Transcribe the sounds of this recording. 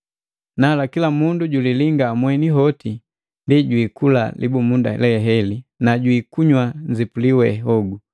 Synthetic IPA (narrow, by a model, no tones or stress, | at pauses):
nalakilamunduɟuliliŋɡaːmwɛniɦɔti | ndiɟwiːkula̰lḭbumunda̰ɛ̰lɛɛɦɛlinaɟwiːkuɲwaɲd͡ʒipuliwɛɦɔɡu